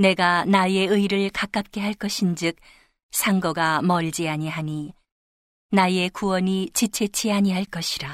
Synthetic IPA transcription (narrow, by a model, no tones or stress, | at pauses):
ne̞ɡanaje̞ɯiɾɯɭkak͈ap̚k͈e̞ɦaɭk͈ʌɕʰind͡ʑɯk̚ | sʰaŋɡʌɡamʌɭd͡ʑiaɲiɦaɲi | naje̞kuwʌnit͡ɕit͡ɕʰe̞t͡ɕʰiaɲiɦaɭk͈ʌɕʰiɾa